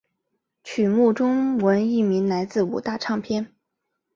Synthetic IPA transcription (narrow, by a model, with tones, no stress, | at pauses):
t͡ɕʰy˨˩mu˥˩ʈ͡ʂʊ˥ŋwə˧˥ni˥˩mi˧˥nla˧˥ɪt͡sɹ̩˥˩u˨˩t̪a˥˧ʈ͡ʂʰɑ˥˧ŋpʰjɛ˥n